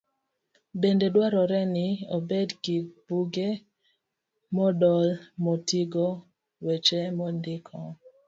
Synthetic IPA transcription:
bendedwaɾɔɾɛnɪobedkib̥uɡe | mɔdɔlmɔtiɡɔ | wet͡ʃemɔndɪkʰɔ

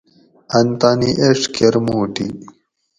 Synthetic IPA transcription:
ɐnt̪aːniʔeʂkʰeɾmuːʈḭ

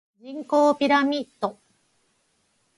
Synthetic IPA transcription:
d͡ʑĩŋko̞ːpʲiɾamʲit̪ːo

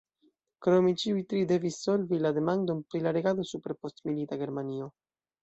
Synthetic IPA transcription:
kɾomit͡ʃiuit̪ɾid̪evisolvilaðemand̪umpɾilaɾeɣaðosupeɾpost̪milit̪aɡeɾmanio

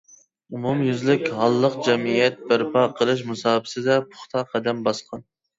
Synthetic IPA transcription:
umumjyzlɪkʲhɑlˠːəqd͡ʒɛmijɛt̪̚bæɾpʰɑqʰəlˠɨʃ̬musɑːbɪ̥sɪd̪ɛpʰʊ̥χt̪ʰɑqʰɛd̪ɛmbɑsqʰɑn

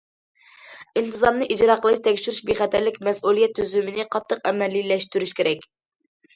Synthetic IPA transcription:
int̪ʰɨzɑɾmnɨʔid͡ʒɾɑqʰəlˠɨʃt̪ʰɛkʲʃyɾyʃbeχɛt̪ʰæɾlɪkʲmɛsulˠijɛt̪ʰːyzymɪnɪqʰɑt̪ʰːəqɛmɛlːilɛʃt̪yɾyʃkʲʰeɾɛkʲ

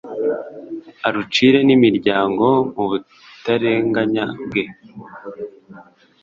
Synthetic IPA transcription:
aɾut͡ʃiɾe̞nimiɾɟaːŋɡo̞muβu | taɾe̞ŋɡaɲabɡe̞

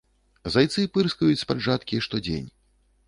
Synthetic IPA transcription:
zajt̪sɨpɨrskɐjut͡sʲspaʐat̪kʲiʂt̪ɔd͡zʲḛnʲ

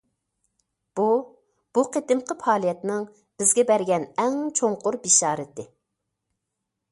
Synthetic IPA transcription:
b̥u | b̥uqʰet̪ɪmqəpʰɑːlˠijɛt̪nɪŋ | b̥ɪzɡʲɛbɛɾɡʲɛnɛŋt͡ʃʰoŋqʊɾbiʃɑːɾɪt̪ʰɪ

